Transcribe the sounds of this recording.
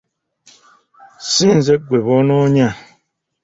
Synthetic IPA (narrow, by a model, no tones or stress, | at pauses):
sinzɛɡwebɔnɔɲa